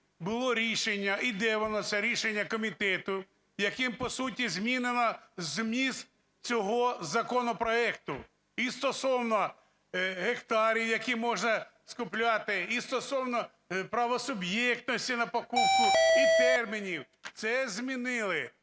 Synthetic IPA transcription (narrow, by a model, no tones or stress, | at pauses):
bʊlˠɔɾʲiʃenʲːɐʔid̪ɛʋɔnɔsʲɐɾʲiʃenʲːɐkɔmʲit̪ɛt̪ʊ | jɐkɪmpɔsutʲizmʲinenɐzmʲiz | t͡sʲɔɦɔzɐkɔnɔpɾɔɛk̚t̪ʊ | ist̪ɔsɔwnɔ | ɦekt̪ɑɾʲiwjɐkimɔʒnɐ | skʊplʲɑt̪ɪist̪ɔsɔwnɔ | pɾɐʋɔsʊbjɛk̚t̪nɔsʲtʲinɐpɔkupkʊit̪ɛrmʲinʲiw | t̪sɛzʲmʲinɪlˠɪ